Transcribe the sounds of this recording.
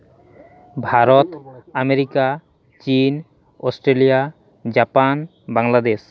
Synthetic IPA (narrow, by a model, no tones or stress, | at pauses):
bʱaɾot̪ameɾika | t͡ɕin | osʈɾelija | d͡ʑapan | baŋlad̪es